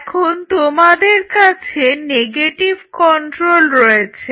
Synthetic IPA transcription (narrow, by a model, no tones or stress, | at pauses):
kʰont̪omad̪eɾkat͡ɕʰeneɡeʈibkɔɳʈɾolɾojet͡ɕʰe